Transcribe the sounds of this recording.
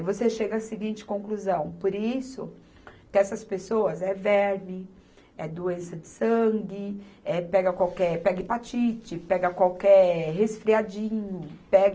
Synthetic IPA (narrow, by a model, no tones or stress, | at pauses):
voseʃeɡɐːsɪɡĩnt͡ʃɪ̥kõkluzɐ̃w̃poɾisʊ̰ | kɪɛsɐspesoɐzɛvɛɾmɪ | ɛd̪oẽsɐd͡ʒɪsɐ̃ŋɡɪɛpɛɡɐkwawkɛɾpɛɡɪpat͡ʃit͡ʃɪpɛɡɐkwawkɛɾɦesfɾiad͡ʒĩɲʊpɛɡ